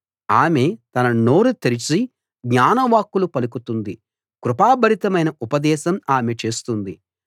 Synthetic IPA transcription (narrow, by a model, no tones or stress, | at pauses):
aːme̞t̪ɐnɐno̞ːɾut̪eɾit͡ʃi | ɡɲaːnɐʋaːkːulupɐlukut̪und̪i | kɾupaːbʱɐɾit̪ɐmɐjnɐupɐd̪ɛːʃɐmaːme̞t͡ʃe̞ːst̪und̪i